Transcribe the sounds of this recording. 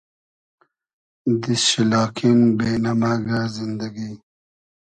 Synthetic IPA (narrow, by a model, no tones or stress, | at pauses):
d̪isɕilɑːkʰinbenamaːɡazind̪aɡi